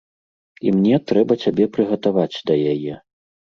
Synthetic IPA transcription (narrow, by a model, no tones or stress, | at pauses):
ḭmnʲɛt̪ɾɛbɐt͡sʲabʲɛpɾɨɣɐt̪avat͡sʲd̪ɐjajɛ